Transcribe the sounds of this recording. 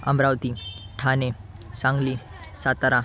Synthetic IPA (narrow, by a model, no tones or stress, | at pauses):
ɐ̰mbɾawt̪iʈʰane | sãŋɡli | sat̪aɾa